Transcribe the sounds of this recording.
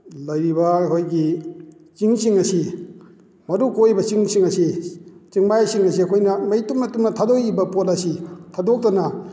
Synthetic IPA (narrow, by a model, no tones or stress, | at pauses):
lɐjɾibɐhojɡi | t͡ʃiŋsiŋɐsi | mɐɾukojbɐt͡ʃiŋsiŋɐsit͡ʃiŋmajsiŋɐsiɐkʰojnɐmɐjtumnɐtumnɐtʰadokibɐpot̚ɐsitʰadok̚tɐnɐ